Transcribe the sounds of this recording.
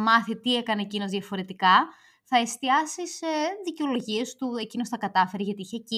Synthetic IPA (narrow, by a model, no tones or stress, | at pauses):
mɐθit̪ie̞kɐneːcino̞zðjɐfo̞ɾe̞t̪ikɐ | θɐe̞st̪iɐsisðiceo̞lo̞ʝie̞st̪ue̞cino̞sθɐkɐt̪ɐfe̞ɾiʝɐt̪iiçeci